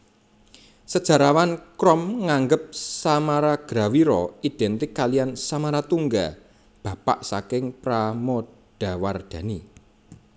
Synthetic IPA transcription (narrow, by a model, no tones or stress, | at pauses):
səd̥ʒ̥a̤ɾawankɾɔmŋaŋɡəp̚samaɾaɡ̥ɾawiɾɔid̪̥ɛnt̪ɪkːalijansamaɾat̪uŋɡa | b̥ä̤pa̰ʔsakɪŋpɾamɔ | d̥a̤ward̪̥ä̤ni